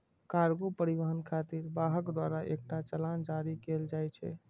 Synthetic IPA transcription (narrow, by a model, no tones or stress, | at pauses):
kaɾɡopəɾiʋəɦənkʰat̪iɾbaɦəkd̪waɾaʔḛk̚ʈat͡ʃəland͡ʒaɾikeld͡ʒajt͡ʃʰɛ̰